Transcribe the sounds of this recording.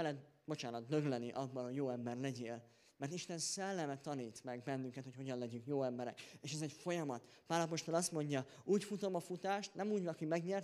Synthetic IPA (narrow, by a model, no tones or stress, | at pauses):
ɛlɛt̪ | bo̞t͡ʃaːnɒt̪̚d̪ø̞ɡlɛnːiʔɒbːɒnhoɟjoːɛmbɛrlɛɟeːl | mɛrt̪iʃt̪ɛnsɛlːɛmɛt̪ɒniːt̪mɛɡbɛnːyŋkɛt̪ho̞cho̞ɟɒnlɛɟyŋkjoːɛmbɛɾɛkeːʃɛzɛcfo̞jɒmɒt̪ | paːlɒpo̞ʃt̪o̞lɒst̪mo̞ɲɟɒuːcfut̪o̞mɒfut̪aːʃt̪nɛmuːɟɒɒkimɛɡɲɛrt̪